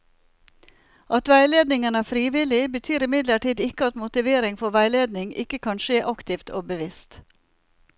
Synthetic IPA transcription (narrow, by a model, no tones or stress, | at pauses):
ʔɑt̪ʋæɪleːd̪nɪŋənæːfɾiːʋɪlɪbət̪ʰyːɾɪmɪd̪ləʈiːd̪ɪkəɑt̪mʊt̪ɪʋeːɾɪŋfɔʋæɪleːd̪nɪŋɪ̰kəkʰɑnʃeːʔɑkt̪ɪːft̪ʰo̰ːbəʋɪst̪